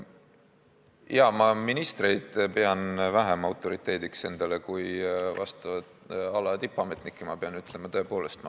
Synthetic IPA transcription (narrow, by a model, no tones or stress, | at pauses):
iɑmɑminist̪re̞jd̪̥pe̞ɑnvæɦemɑwt̪ːˑo̞ɾit̪ˑːe̞ːd̪̥ikse̞nd̪̥ɑlekujvɑst̪ɑvɑt̪ | ɑlɑt̪ipːˑɑme̞t̪nikːˑemɑpe̞ɑnyt̪ˑle̞mɑt̪o̞e̞po̞ːle̞st̪mɑ